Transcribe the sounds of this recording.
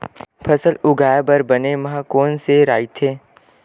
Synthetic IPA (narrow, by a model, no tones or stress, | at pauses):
pʰɐsəlʊɡaːjabəɾbɐnemɐɦãkoːnseɾa̰ːit̪ʰeː